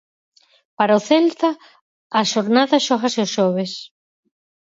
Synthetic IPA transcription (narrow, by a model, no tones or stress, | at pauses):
paɾaoθelt̪aː | ʃoɾnaðaʃoxaseoʃoβes